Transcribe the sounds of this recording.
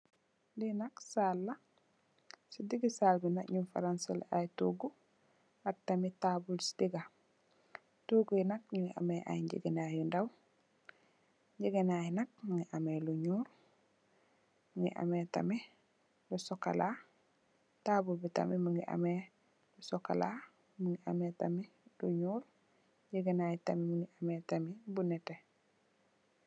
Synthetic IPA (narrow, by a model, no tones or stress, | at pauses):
linɐksaːlːɐ | sidiɡisaːlbinakɲunfa̰ɾansala̰ʔajtuɡu | ak̚tamitaːbulsi̥diɡa | tuɡujinɐk̚ɲuŋɡiʔa̰mɛʔa̰jɲɟḭɡenajundaw | ɲɟiɡenajnɐk̚maŋɡiʔameluɲuːl | muŋɡḭʔa̰meta̰mi | lusoka̰la | tabubita̰mimuŋɡiʔa̰me | lusoka̰la̰ | muŋɡiʔametami | luɲuːl | ɟiɡenaːjitamimuŋɡiʔametamibunɛte